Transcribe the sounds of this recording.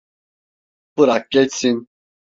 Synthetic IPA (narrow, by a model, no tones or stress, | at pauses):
pɨɾakʼːɛsin